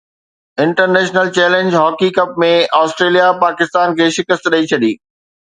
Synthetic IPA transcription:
ɪ̃ɳʈəɾnɛːʃnəlt͡ɕɛːlẽnd͡ʑɦɔːkikɐp̚mẽaːsʈɾeːlijapaːkɪst̪aːnkʰeːʃɪkəst̪ɗɐit͡ɕʰɐɗiː

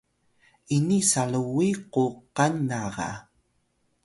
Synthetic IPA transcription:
inisaɭəwiquqanːaʁɑ̰

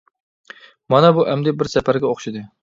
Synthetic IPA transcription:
mɑnɛbuʔɛmd̪ɪbɪɾsɛpæɾɡʲɛoχʃid̪ɨ

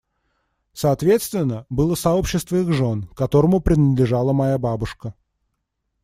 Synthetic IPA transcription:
səːt̪vʲe̞t̪st̪vʲɪnːəbɨlˠəsɐo̞pɕːɪst̪vəiɣʐo̞nkɐt̪o̞ɾəmʊpɾʲɪnəd̪lʲɪʐalˠəmɐjababʊʂkə

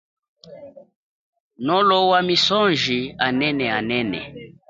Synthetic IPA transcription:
nɔlɔwamisɔnʒianɛnɛanɛnɛ̰

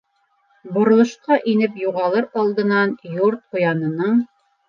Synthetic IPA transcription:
bŏɾŏlˠɤ̆ʃqɑʔinɘpjuʁɑlˠɤɾɑlˠd̪ɤ̆nɑnjuɾt̪̚qŏjɑnɤ̆nɤɴ

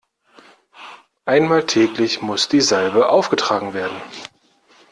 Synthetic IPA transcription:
ʔaɪnmaːltʰɛːklɪçmʊsd̥iːzalbəʔaʊfɡ̥ətʁ̥aːɡŋ̩veːɐdn̩

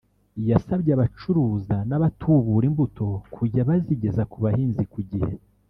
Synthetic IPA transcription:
jasabɟaβat͡ʃuɾuːzanaβatʰuβuɾimbuto̞kʰuɟaβaziɟe̞zakuβahiːnzikuɟihe

